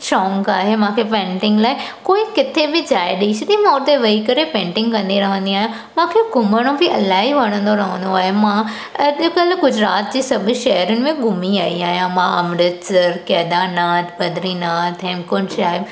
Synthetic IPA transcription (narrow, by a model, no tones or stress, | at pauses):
ʃɔ̃ːŋkaːɦemãːkʰepẽːɳʈɪ̃ŋɡlaːɪkoːikɪt̪ʰebɪd͡ʑaːɪɗeit͡ɕʰʊt̪imãʊɾt̪eʋɐikɐɾepẽːɳʈɪ̃ŋɡkɐ̃nd̪iɾɐɦə̃nd̪iaːɦjã | mãːkʰeɡʱʊməɽ̃õbiɐlaːɦiʋɐɽ̃ə̃nd̪oɾɐɦə̃nd̪oaːɦemã | ɐd͡ʑkəlɡʊd͡ʑɾaːt̪̚d͡ʑeːsɐbʱʊʃɐɦəɾʊnɪ̆mẽɡʱʊmiaːiaːɦijãmãɐmɾət̪sɐɾkɛːd̪anaːt̪ʰbɐd̪ɾinaːt̪ʰɦɛ̃ːmkʊnʃaːɦɪb